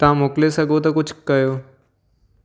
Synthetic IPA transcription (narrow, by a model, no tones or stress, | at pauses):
t̪ãːmoklesəɡot̪ãkʊt͡ʃʰkəjoː